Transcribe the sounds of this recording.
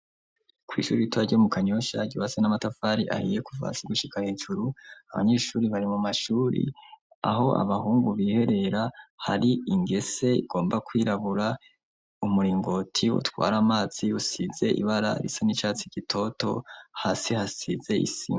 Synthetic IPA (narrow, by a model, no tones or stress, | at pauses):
kwḭʃṵːɾiitwaɟomukaɲo̞ʃaɟiwasenamatafaːɾiʔa̰hiːje̞kuva̰siɡuʃikʰaheːʒuɾuaβa̰ɲe̞ːʃuːɾiβaɾimumaʃuːɾḭ | a̰ɦo̞ʔa̰βahuːŋɡuβiːhe̞ɾe̞ɾahaɾiiŋɡe̞se̞ḭɡ̥o̞ːmbakwiːɾaβuɾa | umuɾiːŋɡo̞tʰiwṵtwa̰ːɾamaːz̥iusize̞ʔḭβaɾa̰ɾḭsonit͡ʃaːt͡siɟ̥itʰo̞to̞̰haːsihasize̞ḭsḭm